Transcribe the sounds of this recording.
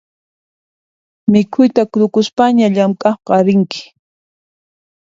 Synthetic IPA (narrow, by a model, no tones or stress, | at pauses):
mɪkʰʊjt̪akɾʊkʊspaɲaʎamkʼɑχqɑɾɪŋkɪ̥